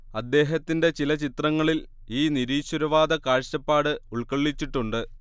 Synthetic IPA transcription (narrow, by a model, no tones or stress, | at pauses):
ɐd̪ːe̞ːɦɐt̪ːinde̞t͡ɕilɐt͡ɕit̪rɐŋːɐɭil | iːniɾiːɕwɐɾɐʋaːd̪ɐkaːɻɕɐpːaːɽɨuɭkɐɭːit͡ɕːiʈːuɳɖɨ